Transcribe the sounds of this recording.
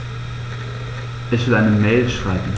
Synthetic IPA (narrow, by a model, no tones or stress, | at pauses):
ʔɛçv̥ɪlʔaɪnəmɛːlʃʁ̥aɪbm̩